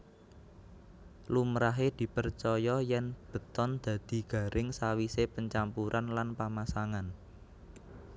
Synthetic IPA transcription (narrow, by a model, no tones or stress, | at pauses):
lumɾaɦed̪̥i̤pərt͡ʃɔjɔjɛnb̥ə̤t̪ɔnd̪̥ä̤d̪̥i̤ɡ̥ä̤ɾʔɪŋsawisepəɲt͡ʃampuɾʔanlanpamasaŋan